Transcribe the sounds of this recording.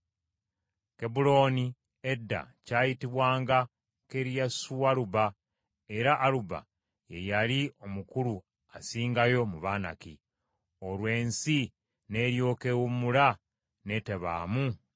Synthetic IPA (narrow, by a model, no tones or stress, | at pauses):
kebulo̞ːni | edːa̰caːjitiβwaːŋɡa | ke̞ɾijasuwaɾuba | eɾaʔːluba̰ | je̞jalio̞mukuɾu | asiːŋɡajo̞muβaːna̰ki | o̞lwe̞ːnsi | ne̞ːɾjo̞ːkewumula | ne̞te̞βa̰ːmu